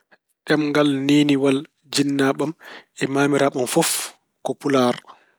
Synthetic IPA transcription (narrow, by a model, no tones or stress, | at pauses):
ɗɛmŋɡalneːniwal | d͡ʒinːaːɓamɛmaːmiɾaɓamfɔf | kopulaɾ